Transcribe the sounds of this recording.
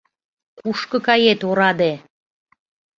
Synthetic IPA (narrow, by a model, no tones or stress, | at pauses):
kuʃkɤ̆kɑjet̪oɾɑd̪e